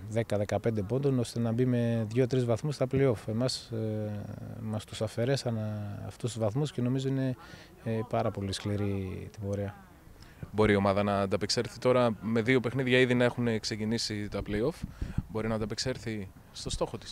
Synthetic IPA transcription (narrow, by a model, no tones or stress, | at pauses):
ðe̞kɐðe̞kɐpe̞nd̪epo̞nd̪o̞no̞st̪e̞nɐbime̞ðʝo̞t̪ɾizvɐθmust̪ɐpleo̞fe̞mɐs | mɐst̪usɐfe̞ɾe̞sɐnɐ̰ft̪ust̪uzvɐθmusce̞no̞mizo̞ine̞ | pɐɾɐpo̞liskliɾit̪ibo̞ɾiɐ | bo̞ɾio̞mɐðɐnɐːd̪ɐpekseɾθit̪o̞ɾɐme̞ðio̞pexniðʝɐiðinɐe̞xune̞kse̞cinisit̪ɐpleo̞fbo̞ɾinɐd̪ɐpekse̞ɾθi | st̪o̞st̪o̞xo̞t̪i̥s